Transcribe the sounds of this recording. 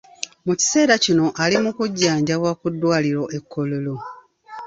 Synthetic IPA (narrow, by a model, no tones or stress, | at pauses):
muci̥se̞ːɾacino̞ʔalimukuɟːaːɲɟawakudːwaːliɾoʔekːo̞lolo